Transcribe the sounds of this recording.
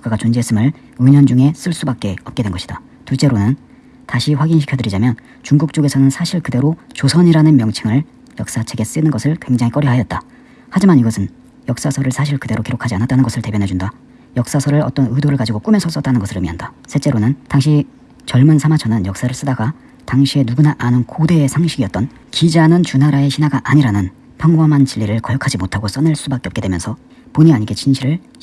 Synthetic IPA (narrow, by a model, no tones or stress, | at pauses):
k͈aɡat͡ɕond͡ʑiɦes͈ɯmɯɭ | ɯɲʌnd͡ʑuŋe̞s͈ɯɭs͈ubak͈̚e̞ʌp̚k͈edwenɡʌɕʰi̥d̥a | tut͡ɕ͈e̞ɾonɯn | taɕʰiɸwaɡinɕʰikʰodɯɾid͡ʑamjʌn | t͡ɕuŋɡuk̚t͡ɕ͈oɡe̞sʰʌnɯnsʰaɕʰiɭkɯde̞ɾot͡ɕosʰʌɲiɾanɯnmjʌŋt͡ɕʰiŋɯɭ | jʌk̚s͈at͡ɕʰeɡe̞s͈ɯnɯnɡʌsʰɯɭkwe̞ŋd͡ʑaŋik͈ʌɾiɦajʌt̚t͈a | had͡ʑimaniɡʌsʰɯn | jʌk̚s͈asʰʌɾɯɭsʰaɕʰiɭkɯde̞ɾokiɾokʰad͡ʑianat͈anɯnɡʌsʰɯɭte̞bjʌnɦe̞d͡ʑunda | jʌk̚s͈asʰʌɾɯɭʌ̰t͈ʌnɯdoɾɯɭkad͡ʑiɡok͈umes͈ʰʌs͈ʌt͈anɯnɡʌsɯɾɯmiɦandasʰe̞t͡ɕ͈e̞ɾonɯntaŋɕʰi | t͡ɕʌɭmɯnsʰamat͡ɕʰʌnɯnjʌk̚s͈aɾɯɭs͈ɯdaɡa | taŋɕʰie̞nuɡunaʔanɯnkode̞ːsʰaŋɕʰiɡiʌt̚t͈ʌn | kid͡ʑanɯnt͡ɕunaɾae̞ɕʰinaɡaʔaɲiɾanɯn | pʰaŋwʌmant͡ɕiʎːiɾɯɭkʌjʌkʰad͡ʑimotʰaɡos͈ʌnɯɭs͈ubak͈eʌp̚k͈edwe̞mjʌnsʰʌ | poɲiaɲiɡe̞t͡ɕʰinɕʰiɾɯɭ